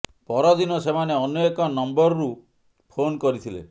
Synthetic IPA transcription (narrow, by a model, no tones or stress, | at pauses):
pɔɾɔd̪inɔsemaneɔnɔekɔnɔmbɔɾɔɾu | pʰonkɔɾit̪ʰilḛ